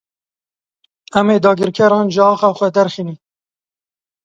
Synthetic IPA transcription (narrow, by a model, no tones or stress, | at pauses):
ɛmeːd̪ɑːɡɪɾkʰɛɾɑːnʒəɑːxɑːxʷɛd̪ɛɾxiniː